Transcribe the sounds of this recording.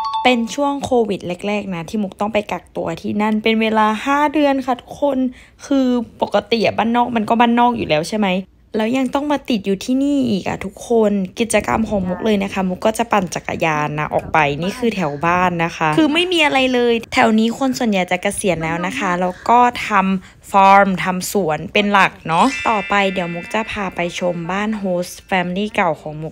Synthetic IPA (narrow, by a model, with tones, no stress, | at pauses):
pe˧nt͡ɕʰu˥˩əŋkʰoː˧wi˨˩t̪̚le˦˥˩k̚lɛː˥˩k̚na˦˥t̪ʰiː˥˩mu˦˥k̚t̪ɔ˥˩ŋpa˧jka˨˩k̚t̪u˧ɐt̪ʰiː˥˩na˥˩npe˧nweː˧laː˧haː˥˩dɯ˧ənkʰa˥˩t̪ʰu̥˦˥kʰːo˧n | kʰɯː˧po˨˩kːa˧t̪i˨˩ʔa˨˩baː˥˩nːɔː˥˩k̚ma˧nkɔː˥˩baː˥˩nːɔː˥˩k̚juː˨˩lɛː˦˥wt͡ɕʰa˥˩jma˦˥j | lɛː˦˥wja˧ŋt̪ɔ˥˩ŋmaː˧t̪i˨˩t̪̚juː˨˩t̪ʰiː˥˩niː˥˩ʔiː˨˩k̚ʔa̰˨˩t̪ʰu˦˥kʰːo˧nki˨˩t̪̚t͡ɕa˧ka̰˧mkʰɔː˨˦ŋmu˦˥k̚lɤː˧jna˦˥kʰa˦˥˩mu˦˥k̚ːɔː˥˩t͡ɕa˨˩pa˨˩nt͡ɕa˨˩kːa̰˧jaː˧nːa̰˧ʔɔ̰ː˨˩k̚pa˧jniː˥˩kʰɯː˧t̪ʰɛ˩˦wbaː˥˩nːa˦˥xʰa˦˥ʔʰɯː˧ma˥˩jmiː˧ʔa˧ɾa˧jlɤː˧jt̪ʰɛ˨˩˦wniː˦˥kʰo˧nsu˨˩ənja˨˩jt͡ɕa˨˩ka˧si˨˩˦ənlɛː˦˥wna˦˥kʰa˦˥lɛː˦˥wkɔː˥˩t̪ʰa˧m | fɔː˦˥ɾmt̪ʰa˧msu˨˩˦ənpe˧nla˨˩k̚nɔ˦˥ʔt̪ɔː˨˩pa˧jdi˨˩˦əwmu˦˥k̚t͡ɕa˨˩pʰaː˧pa˧jt͡ɕʰo˧mbaː˥˩nɦoː˦˥sfɛː˧mi˧niː˥˩ka˨˩wkʰɔː˩˦ŋmu˦˥k̚